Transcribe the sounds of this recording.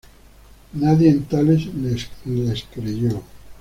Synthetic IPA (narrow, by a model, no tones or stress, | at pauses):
naðjent̪alezleslleskɾeʝo